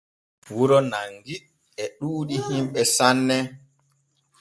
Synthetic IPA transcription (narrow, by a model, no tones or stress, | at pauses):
wuɾɔnaŋɡiɗ | ɛɗuːɗihimɓɛsanːɛ